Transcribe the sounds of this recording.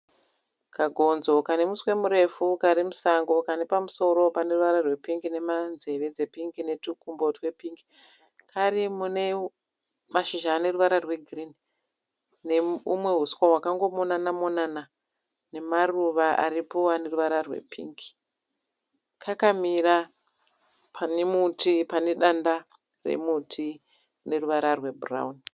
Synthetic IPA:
kaɡʱo̞nzo̞kane̞muswe̞muɾe̞fukaɾimusaŋɡo̞kane̞pamuso̞ɾo̞pane̞ruʋaɾarwe̞piŋɡine̞manze̞ʋe̞d͡ze̞piŋɡine̞tukumbo̞twe̞piŋɡi | kʰaɾimune̞ | maʃiʒaːne̞ruʋaɾarwe̞ɡʱrini | ne̞umwe̞ɦuskowakaŋɡo̞monanamonana | ne̞maruʋaʔa̰ripoane̞ruʋaɾarwe̞̰pʰḭŋɡi̥ | kʰakamiɾa | pʰanemutipane̞ɗanda | rḛmutʰi | ne̞ruʋaɾarwe̞bura̰uni

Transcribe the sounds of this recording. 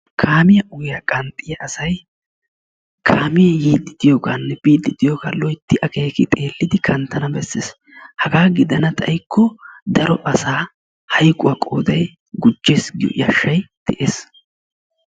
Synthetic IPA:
kʰaːmɪjɐʊɡɪjɐkʼɐnt̪ʼːɪjɐʔɐsɐj | kʰaːmɪjɐjiːd̪ɪd̪̥ɪjoːɡanːɛbiːd̪ːɪd̪ɪjoːɡa̰ːlɔjt̪ːɪʔɐke̞ːkɪt̪ʼe̞ːlːɪd̪ɪkʰɐnt̪ːɐnɐbɛsːeːs | hɐɡaːɡɪd̪ɐnɐt̪ʼɐ̰jkːɔd̪ɐɾɔʔɐsaː | hɐjkʼʊwakʼo̰ːd̪ɐj | ɡʊd͡ʒːeːsɡ̰ʔjɐ̰ʃːɐjd̪̥ɛʔe̞ːs

